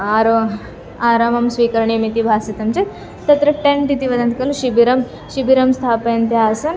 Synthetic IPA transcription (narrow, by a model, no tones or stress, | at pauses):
aɾo | aːɾamɐmsʋiːkɐɾɳimit̪ibʱaːsit̪ɐmt͡ʃet̪ | t̪ɐt̪ɾɐʈẽɳt̪it̪iʋɐd̪ɐnt̪ʰkɐlʃibiɾɐm | ʃibiɾɐmst̪ʰaːpɐɐnt̪jaɐsɐn